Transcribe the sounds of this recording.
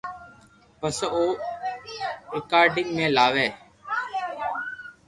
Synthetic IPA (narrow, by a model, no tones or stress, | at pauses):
pəsoː | eːkaːɾɖɪŋɡmẽːlaːʋeː